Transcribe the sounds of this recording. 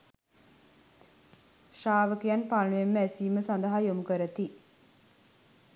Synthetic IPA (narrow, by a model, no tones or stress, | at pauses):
ʃaːʋəkijanpalːuʋemːəæsiːməsand̪əɦajomukəɾət̪i